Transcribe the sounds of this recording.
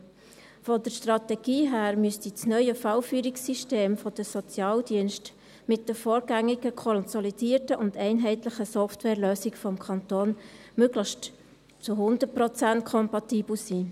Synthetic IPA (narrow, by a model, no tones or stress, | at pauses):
fɔdəɾʃtrɑtɛɡ̥iːɦæːɾmyəstit͡snœʏəfɑlfyːɾiksiʃteːmfɔd̥əsɔt͡sjɑːld̥iənʃt | mɪt̚dəfoːɾɡæŋːɪɡəkʰɔnsɔlid̥iːəɾtəʔʊndɛɪnɦɛɪtləχəsɔftwɛːɾløːsɪkfɔmkʰɑntoːnmøɡləʃt | t͡sʊɦʊnd̪əprɔt͡sæntkʰɔmpɑtiːb̥l̩siː